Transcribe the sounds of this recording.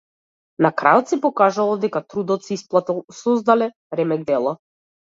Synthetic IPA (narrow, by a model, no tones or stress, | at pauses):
nakɾʔa̰ɔt̪sɛpɔkaʒalˠɔd̪ɛkat̪ɾud̪ɔt̪sɛisplˠat̪sɔzd̪alɛ | ɾɛmɛɡ̚d̪ɛlˠa